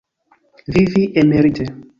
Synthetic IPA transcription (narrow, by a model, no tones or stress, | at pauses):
viviʔemeɾitʰe